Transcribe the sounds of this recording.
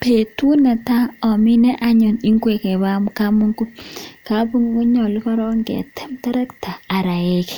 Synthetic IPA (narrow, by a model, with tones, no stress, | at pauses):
pe˨tu˦nɛ˨ta˦ɔ˨mi˦nɛ˦ʔa˦ɲɔ˨ni˦ŋkwe˨kɛ˨βa˦mka˦mu˦ŋɡu˦ka˨˦pu˦ŋɡɔ˦ɲɔ˨lkɔ˦ɾɔ˦ŋɡɛ̰˨tɛ̥˦mtɛ˦ɾɛ˦ktaː˨ɾa˨e˦ki̥˨